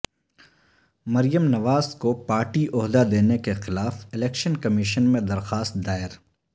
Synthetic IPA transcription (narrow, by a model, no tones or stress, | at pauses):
mɐɾijəmnɐʋaːzkopaːɾʈiʔʊɦd̪ad̪eːnekexɪlaːfɪlɛːkʃənkɐmiʃənmẽd̪ɐɾxaːst̪̚d̪aːɪɾ